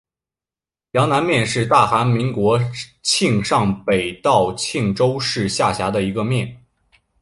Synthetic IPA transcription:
jɑ˧˥ŋna˧˥nmjɛ˥˧nʂɻ̩˥˧t̪a˥˩xa˧˥nmi˧˥ŋkwɔ˧˥t͡ɕʰi˥˧ŋʂɑ˥˩ŋpe˨˩ɪt̪ɑ˥˩ʊt͡ɕʰi˥˩ŋʈ͡ʂo˥ʊʂɻ̩˥˧ɕja˥˩ɕja˧˥d̪ə˧i˧˥ɡə˧mjɛ˥˩n

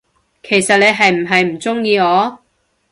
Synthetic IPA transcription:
kʰe˨˩jsɐ˨t̚le˨˧jɦɐ˨jm̩˨˩ɦɐ˨jm̩˨˩t͡sʊ˥ŋjiː˧ŋɔː˨˧

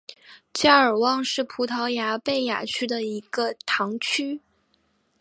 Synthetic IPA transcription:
t͡ɕja˥˩ə˞˨˩wɑ˥˧ŋʂɻ̩˥˩pʰu˧˥t̪ʰɑ˧˥ʊja˧˥pe˥˩ɪja̰˨˩t͡ɕʰy˥d̪ə˨i˧˥ɡə˧t̪ʰɑ˧˥ŋt͡ɕʰy˥

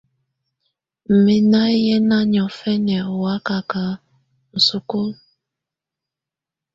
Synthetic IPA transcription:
m̩˨mi˨na˦jɛ˦na˦ɲɔ˨fɛ˦nɛ˨wa˨˦ka˨ka˨˦ | n̩˨su˦ko˦l

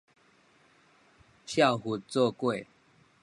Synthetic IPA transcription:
t͡ɕʰja˥˨whu˨˧t̚t͡sɔ˥˧kwe˥˨

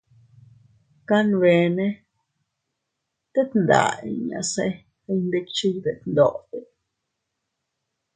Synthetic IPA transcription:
ka˦nβe˨ne˦ | t̪e˦t̪nd̪a̰˨ḭ˨ɲa̰˨se˦ | ɾe˧ɲnd̪e˧k̚t͡ʃi˦jb̪e˨t̪nd̪o˧˨t̪e˨

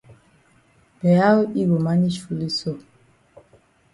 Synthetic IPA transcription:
b̥ɛ˨a˦wi˦bo˨ma˦ɲi˦ʃu˨li˦so˦˨

